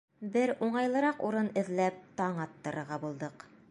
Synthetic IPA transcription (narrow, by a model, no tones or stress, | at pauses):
bɘɾuɴɑjlˠɤ̆ɾɑquɾɤnɘ̆ðlæp̚t̪ɑɴɑt̪ːɤ̆ɾɤ̆ɾʁɑbulˠd̪ɤq